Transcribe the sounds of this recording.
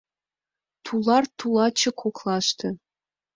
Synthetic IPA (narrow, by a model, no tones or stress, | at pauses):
t̪ʰulɑrt̪ulɑt͡ɕə̆kʰoklɑʃt̪ɤ̆